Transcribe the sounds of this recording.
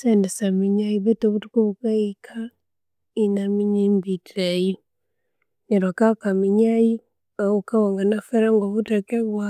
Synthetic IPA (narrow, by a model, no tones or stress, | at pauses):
sɛndɛsamiɲaiβɛtoβutukoβukaikʰa | inamiɲembitiɾai | ɲɛɾwakakamiɲai | aukawaŋɡanafɛɾaŋɡɔβutakɛβwa